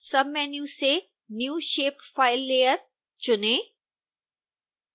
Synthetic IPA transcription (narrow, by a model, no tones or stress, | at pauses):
sɐbmɛːnjuːse | njuːʃeːpfaːɪlːeːəɾ | t͡ʃʊnẽː